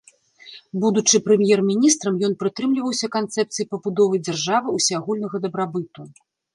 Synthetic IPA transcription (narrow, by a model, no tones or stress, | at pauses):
bud̪ut͡ʂɨpɾɛmʲjɛrmʲinʲist̪ɾɐmjɔnpɾɨt̪ɾɨmlʲivɐwsʲɐkant̪sɛp̚t̪sɨjipɐbud̪ɔvɐjd͡zʲarʐavɨusʲaaɣulʲnɐɣɐd̪ɐbɾabɨt̪u